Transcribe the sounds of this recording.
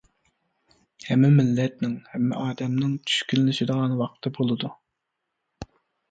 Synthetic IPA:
hɛmːɪmɪlːɛt̪̚nɪŋhɛmːɪ̰ʔɑːd̪ɛmnɪŋt͡ʃʰy̥ʃkʲynlɪʃɪd̪əʁɑnwɑq̚t̪ʰɨbolˠɨd̪u

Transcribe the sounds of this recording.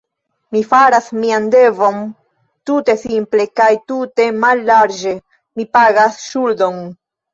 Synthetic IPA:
mifaɾasmiande̞vo̞n | tute̞simple̞kajtute̞malːaɾd͡ʒe̞ | mipaɡasʃuldo̞n

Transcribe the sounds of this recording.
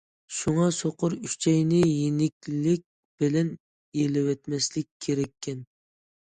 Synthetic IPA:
ʃuŋɑsoqʊɾyʃt͡ʃʰɛjnɪjinɪkʲlɪk̚ʲ | b̥ɪlɛn | jelɪwɛt̪mɛslɪkʲʰːeɾɛkʲʰːɛn

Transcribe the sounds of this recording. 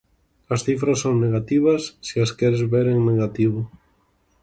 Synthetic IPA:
ɐsθifɾɐsːoŋneɣat̪iβ̞ɐsːiaskɛɾezβeɾeŋneɣat̪iβʊ

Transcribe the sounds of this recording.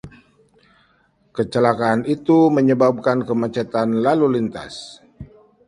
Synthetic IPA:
kət͡ʃəlakaːnit̪uməɲəbab̚kankəmat͡ʃat̪anlalulint̪a̰s

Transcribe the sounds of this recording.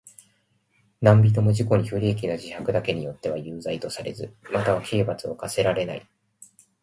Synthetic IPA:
nãmbʲit̪̬o̞mo̞ʑiko̞ɲ̟iɸɯ̟ɾʲiːk̬ʲinaʑihakɯ̟d̪ake̞ɲ̟ijo̞t̪ːe̞β̞ajɯːzait̪o̞saɾe̞zɨ̰mat̪aβakʰe̞ːbat͡sɨo̞̰kase̞ɾaɾe̞nai

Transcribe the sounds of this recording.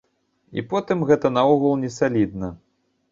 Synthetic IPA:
ḭpɔt̪ɨmɣɛt̪ɐnaɔɣɐlˠnʲɛsalʲid̪̚nɐ

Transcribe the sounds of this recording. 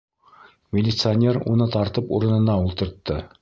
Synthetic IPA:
mʲɪlʲit̪sɨanʲeɾṵnɤt̪ɑɾt̪ɤpṵɾɤ̆nɤ̆nɑulˠt̪ɤ̆ɾt̪ːɤ

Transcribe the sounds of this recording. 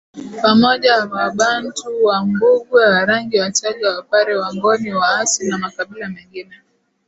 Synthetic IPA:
pamɔʄajawaɓantuwambuɡwawaɾaŋɡiwat͡ʃaʄawapaɾɛwamɡɔniwaasinamakaɓilamɛŋɡinɛ

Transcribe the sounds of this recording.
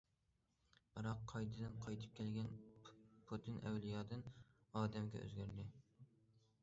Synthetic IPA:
b̥ɨɾɑqʰːɑjd̪ɨd̪ɨnqʰɑjt̪ʰɨ̥p̚kʲʰɛlɡʲɛnpʰot̪ʰɨnʔɛ̰wlijɑːd̪ɨnɑːd̪ɛmɡʲɛ̰ʔø̰zɡʲæɾd̪ɪ

